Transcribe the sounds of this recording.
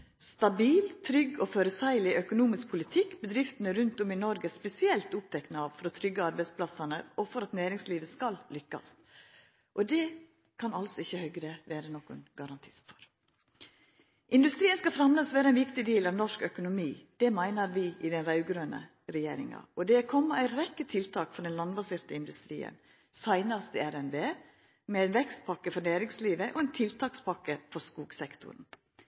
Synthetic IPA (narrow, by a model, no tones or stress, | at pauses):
st̪ɑbiːlt̪ʰɾʏɡɔføːɾəsæɪəlɪʔœkʊnuːmɪsk̚pʰʊlɪt̪ʰɪkːbəd̪ɾɪft̪ənəɾʉnt̪ɔmɪnɔɾɡəspɛsɪɛlt̪ʊp̚t̪ʰɛknəɑʋfɔɾɔt̪ʰɾʏɡəɑɾbæɪspʰlɑsɑnəɔfɔɾɑt̪næːɾɪŋsliːʋəskɑllʏkːɑ̰s | ʔɔd̪ɛ | kʰɑnɑlsɔɪçːəhœɡɾəʋeːɾənɔkʊnɡ̥ɑɾɑnt̪ʰi̥ːsfɔ̥ɾ | ʔɪnd̪ʉst̪ɾiːənskɑfɾɑmlɑsʋæːɾəɛɪnʋɪkt̪ɪd̪eːlɑʋnɔʂkœkʊnʊmiːd̪̥ɛmæɪnəɾʋɪɪd̪ɛnɾɑʉɡɾøːnə̰ | ɾɛjḛːɾɪŋɑ̰ɔd̪ɛkʰɔmːəæɪɾɛkːət̪ʰɪlt̪ʰɑːkfɔɾɖɛnlɑnbɑseːɾt̪əɪnd̪ʉst̪ɾḭːə̰n | sæɪnɑst̪ʰɪæɾɛnbeː | mɛæɪnʋɛkst̪̚pʰɑkːəfɔɾnæːɾɪŋsliːʋəʔɔɛnt̪ʰɪlt̪ʰɑːkspʰɑkːəfɔɾskuːɡsɛkt̪ʊ̰ɾn̩